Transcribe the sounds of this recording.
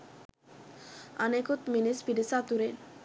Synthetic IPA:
a̰nekot̪minispidisat̪uɾen

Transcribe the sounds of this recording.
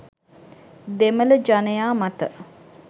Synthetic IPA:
d̪emələd͡ʒanəjaːmat̪ə̰

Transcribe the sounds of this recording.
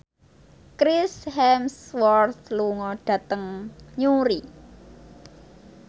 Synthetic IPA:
kɾishɛmswɔrt̪̚luŋɔɖ̥ä̤t̪əŋɲuɾi

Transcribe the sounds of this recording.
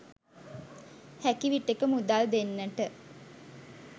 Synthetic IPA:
hækiʋiʈːekəmud̪aːld̪enːəʈə

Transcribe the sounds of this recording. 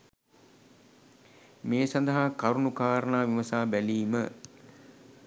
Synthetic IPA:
meːsand̪ɐɦakaɾunukaːɾənaːʋiʋɐsaːbæliːmə

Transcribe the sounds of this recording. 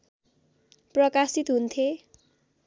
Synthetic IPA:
prʌkasit̪ɦunt̪ʰje

